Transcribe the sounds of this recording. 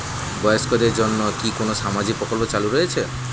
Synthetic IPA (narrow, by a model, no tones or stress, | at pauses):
bɔjɔskɔd̪eɾd͡ʒonːɔkikonosamad͡ʒik̚pɾɔkɔlpɔt͡ʃaluɾɔet͡ʃʰe